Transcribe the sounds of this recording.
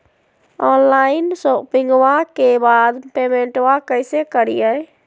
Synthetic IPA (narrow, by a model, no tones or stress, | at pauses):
ɔːnlaːɪnsopɪ̃ŋɡwakebaːd̪peːmẽɳʈwakəɪsekəɾijɛ